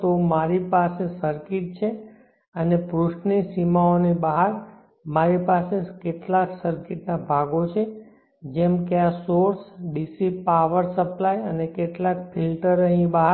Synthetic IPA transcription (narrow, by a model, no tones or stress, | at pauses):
t̪omaɾipasesəɾkiʈ̚t͡ʃʰe | ənepɾuʃʈnisimaonibaɦaɾ | maɾipasekeʈlaksəɾkɪʈnabʱaɡot͡ʃʰe | d͡ʒemkeasoɾsɖisipaʋəɾsəplajənekeʈlak̚pʰilʈəɾəɦĩbaɦ